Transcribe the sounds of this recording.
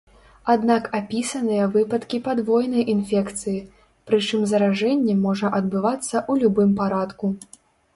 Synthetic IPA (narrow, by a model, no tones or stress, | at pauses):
ad̪nakapʲisɐnɨjɐvɨpɐt̪kʲipad̪vɔjnɐjʔinfʲɛkt̪sɨji | pɾɨt͡ʂɨmzɐɾaʐɛnʲːɛmɔʐɐʔɐd̪bɨvat̪sːɐʔulʲubɨmpaɾat̪ku